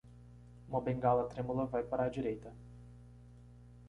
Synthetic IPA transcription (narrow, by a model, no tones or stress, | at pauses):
mobeŋɡalat̪ɾemuləvajpɐɾad͡ʒiɾejt̪ə